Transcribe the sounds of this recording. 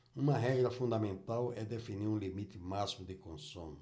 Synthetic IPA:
ũmɐɦɛɡɾɐfũnd̪amẽnt̪awɛd̪efiniɾũlimit̪ɪmasimʊd̪ɪkõsũmʊ

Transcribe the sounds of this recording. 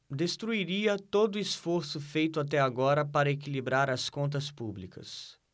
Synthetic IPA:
d̪est̪ɾuiɾiɐt̪od̪ʊisfoɾsʊfejt̪ʊat̪ɛaɡɔɾɐpaɾɐekilibɾaɾɐskõnt̪̬ɐspublikɐ̰s

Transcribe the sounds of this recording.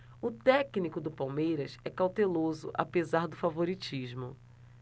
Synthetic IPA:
ʊt̪ɛknikʊd̪ʊpawmejɾɐsɛkawt̪elozʊ̰ʔa̰pezaɾd̪ʊfavoɾit͡ʃiʒmʊ̰

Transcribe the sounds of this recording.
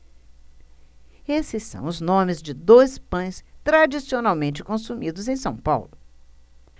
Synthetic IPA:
esɪsːɐ̰̃w̃ʊznõmɪzd͡ʒɪd̪ojspɐ̃j̃st̪ɾad͡ʒisionawmẽnt͡ʃɪkõsumid̪ʊzẽj̃sɐ̃w̃pa̰wlʊ

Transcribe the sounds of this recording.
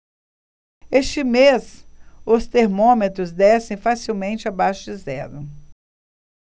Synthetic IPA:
est͡ʃɪmesʊst̪eɾmõmet̪ɾʊzd̪ɛsẽj̃fasiwmẽnt͡ʃɪabaʃʊd͡ʒɪzɛɾʊ

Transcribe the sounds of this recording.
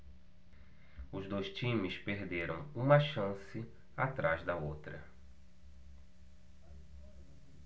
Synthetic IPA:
ʊzd̪ojst͡ʃĩmɪspeɾd̪eɾɐ̰̃w̃ũmɐʃɐ̃sɪ | at̪ɾazd̪ɐot̪ɾɐ

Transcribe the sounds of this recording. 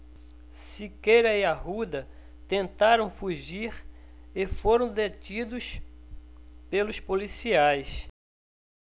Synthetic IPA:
sɪkejɾɐiaɦud̪ɐ | t̪ẽnt̪aɾɐ̃w̃fuʒiɾefoɾɐ̃w̃d̪etid̪ʊs | pelʊspolisiajs

